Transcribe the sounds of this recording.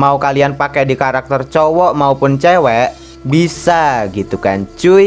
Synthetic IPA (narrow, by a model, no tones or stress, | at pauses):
maukalianpakɛdikaɾak̚t̪ərt͡ʃɔwɔʔmaupʊnt͡ʃɛwɛʔ | bisaɡit̪ukaɲt͡ʃuj